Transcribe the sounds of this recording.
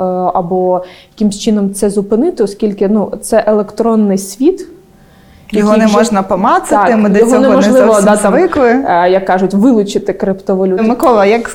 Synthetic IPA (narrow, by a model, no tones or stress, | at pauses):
ɐbɔjɐkʲimsʲt͡ʃɪnɔmt̪sɛzʊpɪnɪt̪ɪɔskʲilʲkɪnut̪sɛʔelˠekt̪ɾɔnːɪjsʲʋʲit̪ | jɐɔɦʲɔnɛmɔʒnɐpɔmɑsɪɪmɪd̪ɛjɔɦɔnɛmɔʒlˠɪʋɔd̪ɑʋɪkʋɪjɐkːɑʒʊtʲʋɪlˠʊt͡ʃɪt̪ɪkɾɪpt̪ɔʋɔlʲumɪkɔlˠɐjɐk